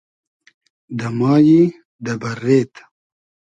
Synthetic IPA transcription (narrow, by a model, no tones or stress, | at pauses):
d̪ɐmɑːji | d̪ɐbɐɾːeːt̪